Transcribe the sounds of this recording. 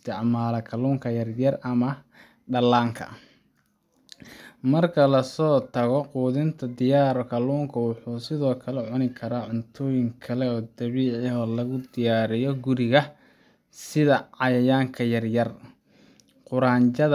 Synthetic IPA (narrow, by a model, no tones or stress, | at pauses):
st̪ɪʕmaːlɐkʰɐluːŋkʰɐjɐrjɐrɐmɐ | ɖɐlaːŋkʰɐ̰ | mɐrkʰɐlɐsɔːt̪ʰɐɣɔquːðɪnt̪ʰɐd̪ɪjaːɾɔkʰɐluːŋkʰɐwɑħuːsɪðɔːkʰɐlɛʕʊnɪkʰɐɾaːʕʊnt̪ʰɔːjɪŋkʰɐlɛɔːd̪ɐβiːʕɪɔːlɐɣʊd̪ɪjaːɾɪjɔɡʊɾɪɣɐ | sɪðɐʕɑjɐjaːŋkʰɐjɐrjɐr | qʊɾaːɲt͡ʃɐð